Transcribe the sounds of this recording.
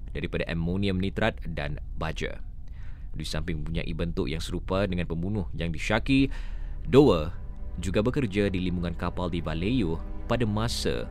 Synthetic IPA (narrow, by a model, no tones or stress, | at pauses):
daɾipadaʔɛmːoniəmnit̪ɾat̪̚da̰nbad͡ʒa̰ | disampɪŋpuɲa̰ʔḭbənt̪ʊʔjaŋsəɾupadəŋãnpəmbunʊhjaŋdiʃakidowəd͡ʒuɡabəkərd͡ʒadilimbuŋãnkapaldivalejupadamãsa̰